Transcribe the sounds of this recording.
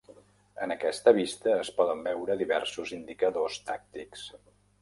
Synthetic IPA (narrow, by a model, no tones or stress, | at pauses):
ənəkɛst̪əβ̞ist̪əːspɔðəmbɛwɾəðiβɛ̰ɾsuzind̪ikəðost̪ak̚t̪iks